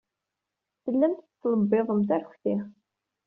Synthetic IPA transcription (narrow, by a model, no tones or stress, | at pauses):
θəlːæmt̪ət͡sːləbːiðˤəmt̪æɾçʷθiχ